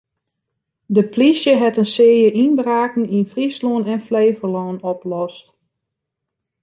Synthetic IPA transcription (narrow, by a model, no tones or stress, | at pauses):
dəplisjəɦɛtənsɪːjəʔinbraːkn̩infrisluənɛnfleːvərlɔːnɔplɔst